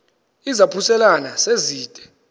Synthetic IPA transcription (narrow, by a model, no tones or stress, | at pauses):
izapʰusɛlanaseziːtʼɛ̥